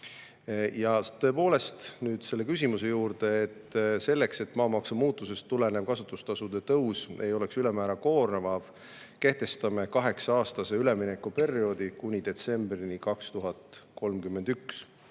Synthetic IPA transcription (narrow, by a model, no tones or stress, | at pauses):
jɑt̪ːɤ̞po̞ːle̞st̪nyːd̪̥se̞lːe̞kysʲimuse̞juːrd̪̥e̞et̪ːse̞lːekse̞t̪ːˑmɑːmɑksumuːt̪ːˑuse̞st̪ːule̞ne̞v̥kɑsut̪ːˑust̪ɑsud̪e̞t̪ɤwse̞jo̞le̞ksylemæːɾɑko̞ːrnevɑv | ke̞ht̪e̞st̪ɑme̞kɑɦe̞ksɑɑːst̪ɑse̞yle̞minekːupe̞rio̞ːd̪̥ikunʲid̪e̞t̪se̞mbrinikɑkst̪uɦɑt̪ko̞lmkymːe̞nd̪̥yks